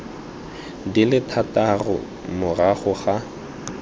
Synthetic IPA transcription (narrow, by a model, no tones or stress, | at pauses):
dilɪtʰatarʊ̰ | mʊraχʊχa